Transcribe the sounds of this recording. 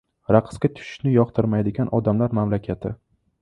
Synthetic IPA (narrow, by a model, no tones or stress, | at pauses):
ɾaqʰɨ̥skʲat̪ʰʊ̥ʃɪ̥ʃnɪjɒqt̪ʰɪɾmajd̪ɪɡʲanʔɒd̪amlaɾmamlakʲʰat̪ʰɪ